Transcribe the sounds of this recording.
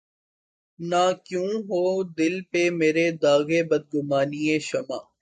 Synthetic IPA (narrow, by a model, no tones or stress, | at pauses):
naːkjũːɦoːd̪ɪlpemeːɾed̪aːɣebɐd̪̚ɡʊmaːnieʃɐma̰ː